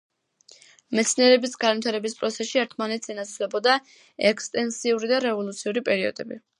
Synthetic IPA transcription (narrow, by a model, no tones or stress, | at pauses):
mɛt̪sʰniɛɾɛbisɡanvit̪ʰaɾɛbispʼɾɔt̪sʰɛʃiɛɾt̪ʰmanɛt̪sɛnat̪sʰvlɛbɔd̪a | ɛkst̪ʼɛnsiuɾid̪aɾɛvɔlˠut̪sʰiuɾipʼɛɾiɔ̰d̪ɛbi